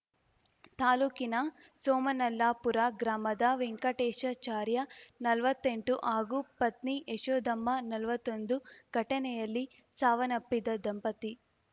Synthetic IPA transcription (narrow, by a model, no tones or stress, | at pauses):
t̪aːluːkinɐ | sɔːmɐnɐlːaːpuɾaɡɾaːmɐd̪aʋiŋkɐʈeːʃɐt͡ʃaːɾjɐnɐlɐʋɐt̪ːeɳʈuʔaːɡupɐt̪niʔeʃoːd̪ɐmːɐnɐlɐʋɐt̪ond̪uɡʱɐʈɐnɛjɐlːi | saːʋɐnɐpːid̪ɐd̪ɐmpɐt̪i